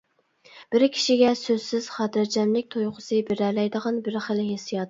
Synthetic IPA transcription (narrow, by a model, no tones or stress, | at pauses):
b̥ɪɾkʲʰi̥ʃiɡʲɛsøz̥sɪz̥χɑːt̪ʰɨɾd͡ʒʰɛmlɪk̚ʲt̪ʰojqʰʊ̥sɨbɪɾɛlɛjd̪əʁɑnbɪɾχəlɦesijɑt̪